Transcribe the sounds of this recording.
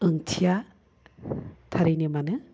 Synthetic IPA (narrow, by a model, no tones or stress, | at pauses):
ɯŋtʰija | t̪ʰaɾijnɯmanɯ